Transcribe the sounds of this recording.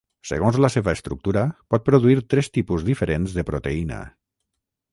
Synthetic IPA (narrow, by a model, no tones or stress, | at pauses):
sə̰ɣ̞onzləseβəəst̪ɾṵk̚t̪uɾəpɔt̪̚pɾoðuiɾt̪ɾɛst̪ipuzðifəɾenzðəpɾot̪einə̰